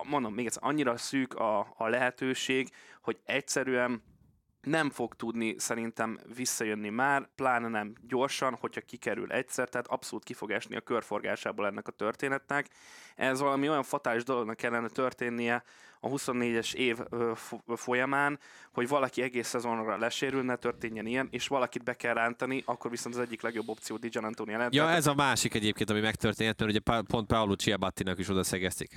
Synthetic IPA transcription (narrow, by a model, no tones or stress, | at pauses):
mo̞nd̪o̞meːɡɛt̪sɛ̰ɾʔɒɲːiɾɒsyːkɒːlɛɦɛt̪øːʃeːɡho̞ɟɛcsɛɾyɛnː | ɛɱfo̞ɡt̪ud̪nisɛɾint̪ɛmvisːɒjønːimaːrplaːnnɛmɟo̞rʃɒnho̞chɒkikɛɾy̰lʔɛ̰csɛrt̪ɛɦːt̪ɒpso̞luːt̪̚kifo̞ɡɛʃnḭɒ̰kø̞rfo̞rɡa̰ːʃaːboːlɛnːɛkɒt̪ø̞rt̪eːnɛt̪nɛkɛzvɒlɒmio̞jɒɱfɒt̪aːliʒd̪olo̞ɡnɒkːɛlːɛnɛt̪ørt̪eːnːijɛɒ̰ɦuso̞nːeːɟɛʃeːvøfo̞jɒmaːn | ho̞ɟvɒlɒkiɛɡeːsːɛzo̞nrɒlɛʃeːɾylnɛt̪ørt̪eːɲːɛnijɛneːʃʋɒlɒkid̪̚bɛkɛlrːaːnt̪ɒniʔɒkːo̞rviso̞nt̪ɒzɛɟːiklɛɡjo̞bːo̞p̚t̪sijoːd̪id͡ʒɛnɛnt̪oːnjɛlɛnjɒɛzɒmaːʃikɛɟeːpkeːnt̪ɒmimɛkt̪ørt̪eːnɛt̪mɛɾuɟɛppo̞nt̪̚paolut͡ʃiɒbɒt̪ːinɒkiʃo̞d̪ɒsɛɡɛst̪ik